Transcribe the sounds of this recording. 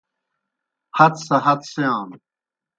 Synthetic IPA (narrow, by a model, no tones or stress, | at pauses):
hɐt̪sɐɦɐt̪seãːn